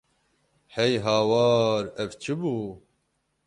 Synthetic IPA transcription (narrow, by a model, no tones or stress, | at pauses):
hɛjɦɑːwɑːɾɛvt͡ʃʰɨbuː